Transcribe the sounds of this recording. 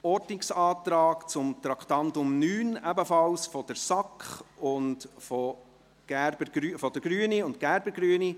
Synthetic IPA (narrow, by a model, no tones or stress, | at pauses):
ɔɾtɪksɑːtɾɑːkt͡sʊmt̪ɾɑkʰtɑntʊmnyːnæbəfɑlsfɔd̥əɾsɑkχʊndfɔ | ɡ̥æɾb̥əɾɡ̥ɾyfɔd̪əɡ̥ɾyːəniʊntkæɾbəɾɡɾyəni